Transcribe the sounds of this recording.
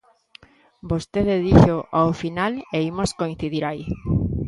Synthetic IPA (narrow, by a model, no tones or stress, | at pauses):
bost̪eðeðiʃoʔaofinaleimoskoĩn̟θiðiɾai